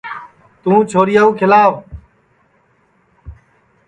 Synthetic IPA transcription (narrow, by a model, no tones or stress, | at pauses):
t̪ũːt͡ʃʰoːɾɪjaːũːkʰɪlaːʋ